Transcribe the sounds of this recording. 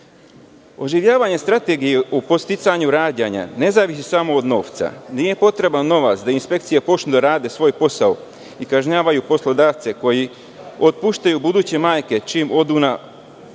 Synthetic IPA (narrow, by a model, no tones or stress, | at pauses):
o̞ʒiʋʎaːʋaɲe̞st̪ɾat̪eɡijeʔupo̞t̪st̪it̪saɲuɾaːd̪jaɲa̰ne̞zaːʋisisamoːd̪no̞ːʋt̪sa̰nije̞po̞t̪ɾe̞banːo̞ʋat̪sd̪ainspe̞k̚t̪sijepo̞t͡ʃnud̪aɾaːd̪e̞sʋo̞ːjpo̞sao | ikaʒɲaːʋajupo̞slˠo̞d̪aːʋt̪se̞ko̞ji | ot̪̚puːʃt̪ajubud̪uːt͡ɕe̞maːjke̞t͡ʃimo̞d̪una